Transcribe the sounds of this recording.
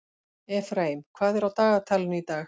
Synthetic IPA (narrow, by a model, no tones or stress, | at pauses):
ɛfɾeːjmkʰvaːðɛɾawt̪aːɣat̪ʰalʏnit̪aːx